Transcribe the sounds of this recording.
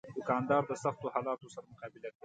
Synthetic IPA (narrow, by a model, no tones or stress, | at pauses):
d̪ʊkɑnd̪ɑɾd̪əsaxt̪ohɑlɑt̪osaɾamʊqɑːbɪlakɽi